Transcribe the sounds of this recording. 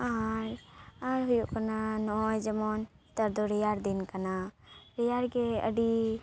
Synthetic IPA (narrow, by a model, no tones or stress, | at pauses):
aɾãɾɦujukənanɔjd͡ʒəmɔn | t̪əɾd̪oɾijaɾd̪inkanaɾijaɾkeə̰ɖi